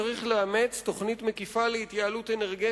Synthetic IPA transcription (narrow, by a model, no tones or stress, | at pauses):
aʁiχleame̞t͡sto̞χnit̪me̞kifaleit̪jaːlute̞neʁɡe